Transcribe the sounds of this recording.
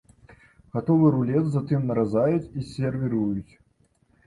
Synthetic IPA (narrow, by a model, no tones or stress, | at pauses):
ɣat̪ɔvɨɾulʲɛt̪zat̪ɨmnɐɾazajut͡sʲisʲɛrvʲiɾujut͡sʲ